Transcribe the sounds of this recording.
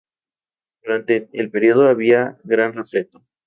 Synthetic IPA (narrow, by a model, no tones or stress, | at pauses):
d̪̥uɾant̪e̞elpe̞ɾio̞ð̞oaβiaɣɾanre̞fle̞t̪o